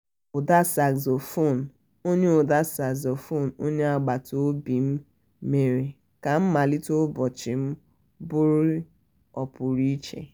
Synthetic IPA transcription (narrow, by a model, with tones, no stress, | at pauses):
o˨da˦sa˨kzo˨fo˦˨n˨ | o˦ɲe˦o˨da˦sa˨ɡzo˨fo˦˨n̩o˦ɲe˦a˦ɡ͡ba˨to˦bi˨m̩˦ | me˨ɾe˨ | ka˨m̩˦ma˨li˦to˦bɔ˨t͡ʃɪ˨m̩˦ | bʊ˦ɾi˦ | ɔ˨pʊ˨ɾi˦t͡ʃḛ˨